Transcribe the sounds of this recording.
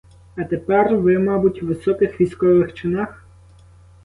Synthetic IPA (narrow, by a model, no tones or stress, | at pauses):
ɐt̪epɛrʋɪmɑbutʲʋɪsɔkɪxʋʲijskɔʋɪxt͡ʃɪnɑx